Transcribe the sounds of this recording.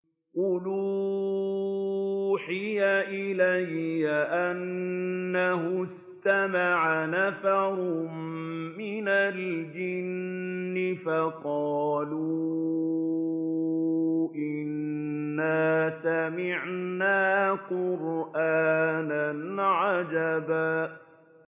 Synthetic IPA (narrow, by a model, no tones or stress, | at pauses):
qʊluː | ħɪjaʔɪlajːaʔanː | aɦʊs | t̪amaʕanafaɾʊmːɪnald͡ʒɪnːɪfɑqɑːlu | ʔɪnːaːsamɪʕnaːqʊɾʔaːnanʕad͡ʒaba